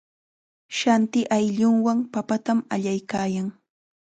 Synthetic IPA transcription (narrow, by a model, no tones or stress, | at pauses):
ʃant̪ɪʔajʎʊŋwaŋpapat̪ama̰ʎajkaːjaŋ